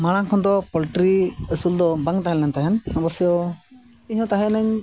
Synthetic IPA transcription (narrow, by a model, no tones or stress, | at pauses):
maɽ̃ãkʰɔ̃nd̪ɔpɔlʈɾiəsuld̪ɔbəŋɡt̪aɦɛlːɛnt̪aɦɛnɔbɔsjɔ | iɦɔ̃t̪aɦɛnɛɲ